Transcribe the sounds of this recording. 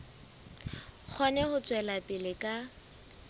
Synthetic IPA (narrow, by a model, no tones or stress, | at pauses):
k͡xʰɔnɛhʊt͡sʼwɛlapʼɪlɪkʼa